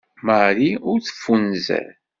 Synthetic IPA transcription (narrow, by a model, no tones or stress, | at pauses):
maɾiʊɾθə̥fːunzæ̰ɾ